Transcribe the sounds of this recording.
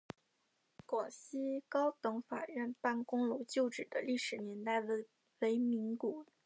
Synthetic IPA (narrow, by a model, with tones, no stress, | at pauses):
kwɔ˨˩ɕi˥kɑ˥ʊt̪ɤ˧˥ŋfa̰˨˩ɻə˥˩npa˥˩nkʊ˥ŋlo˧˥t͡ɕjo˥˩ʊʈ͡ʂɻ̩˨˩d̪ə˦li˥˩ʂɻ̩˨˩njɛ˧˥nt̪a˥˩ɪ˥ | we˧˥ɪmi˧˥ŋku˨˩